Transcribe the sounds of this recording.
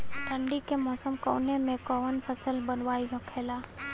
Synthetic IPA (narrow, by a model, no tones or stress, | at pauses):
t̪ə̃ɳɖikemɔːsəmko̰ːnemẽkɔːʋənpʰəsəlbənʋaːid͡ʒɔ̃kʰeːlaː